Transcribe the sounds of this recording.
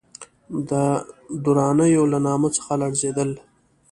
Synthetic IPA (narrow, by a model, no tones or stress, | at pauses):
d̪əd̪uɾɑnəjolanɑːmət͡sə̥xalaɽzed̪əl